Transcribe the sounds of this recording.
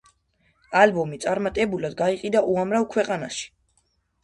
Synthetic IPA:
albɔmit̪sʼaɾmat̪ʼɛbulad̪ɡaiqʼid̪aʔuamɾavkʰwɛqʼanaʃi̥

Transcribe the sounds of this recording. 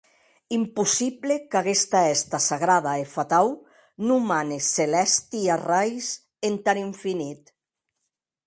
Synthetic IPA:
impusiβlekaɣest̪aɛst̪asaɣɾaðaefat̪aw | numaneselɛst̪iarajs | ent̪aniɱfinit̪

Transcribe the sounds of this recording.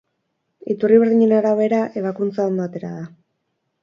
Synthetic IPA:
it̪uriβeɾðiɲe̞naɾaβe̞ɾaʔe̞βakunt͡sao̞nd̪o̞at̪e̞ɾa̰ða

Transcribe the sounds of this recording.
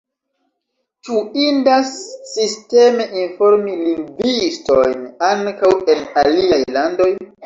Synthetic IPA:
t͡ʃuindasːiste̞me̞ʔinfo̞ɾmiliŋɡvistojnaŋkawe̞naliajlando̞j

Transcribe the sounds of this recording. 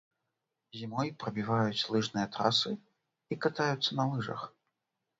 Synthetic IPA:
zʲimɔjpɾɐbʲivajut͡sʲlˠɨʐnɨjɐt̪ɾasɨ | ikat̪ajut̪sːɐnɐlˠɨʐɐ̰x

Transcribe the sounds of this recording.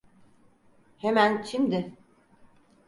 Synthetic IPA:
hemæncʰimd̪ɪ

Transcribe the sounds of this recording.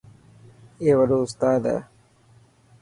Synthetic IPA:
eːʋəɖoːʊst̪aːd̪ɛ̰ː

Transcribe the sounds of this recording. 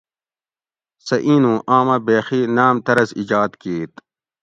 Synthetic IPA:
sɐʔiːnũːʔaːmãːbeːxinaːmt̪ɐɾɐzḭd͡ʑaːd̪kiːt̪

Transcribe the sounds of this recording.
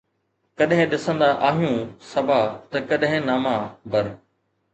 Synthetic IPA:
kɐɗɦɪ̃ɗɪsə̃nd̪aʔaːɦijũːsɐbʱaːt̪ɐkɐɗɦɪ̃naːmabʱɐɾ

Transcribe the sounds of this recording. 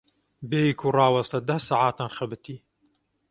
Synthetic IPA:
beːjikʰurˤɑːwɐst̪ɐd̪ɐhsaːʕaːt̪aːnxɐbɨt̪ʰiː

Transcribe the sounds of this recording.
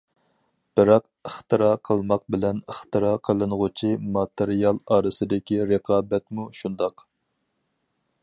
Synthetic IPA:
b̥ɪɾɑq | əχt̪ɨɾɑːqʰəlˠmɑq̚bɪlɛnəχt̪ɨɾɑːqʰəlˠɨnʁut͡ʃʰimɑt̪əɾijɑlˠɑːɾɨsɨd̪ɪkʲiɾəqʰɑːbɛt̪muʃund̪ɑq

